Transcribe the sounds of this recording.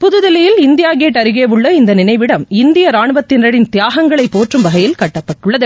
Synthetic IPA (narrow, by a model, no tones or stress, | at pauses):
pʊðɯðɪlɪjɪlɪnd̪ɪjaːɡeːʈːɐɾɯɣeːʋɯɭːɐɪnd̪ɐnɪnɐɪʋɪɽɐmɪnd̪ɪjɐɾaːɳɯʋɐt̪ːɪnɾɐɽɪnt̪ɪjaːɣɐŋɡɐɭɐɪpːoːʈrɯmʋɐɣɐjɪlkɐʈːɐpːɐʈːɯɭːɐðɯ